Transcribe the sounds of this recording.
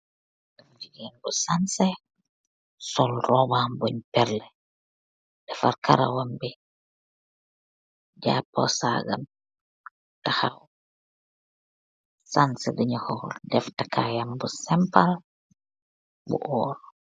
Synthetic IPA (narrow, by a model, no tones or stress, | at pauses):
damd͡ʒiɡinbusansɛ | sɔlɾɔbambɔɲpɛɾlɛ | dɛfaɾkʰaɾa̰wambi | d͡ʒapːɔ̰sa̰ɡa̰m | tahaw | sansɛdiɲahɔldɛftakʰajambusɛmpal | bṵʔɔːɾɔ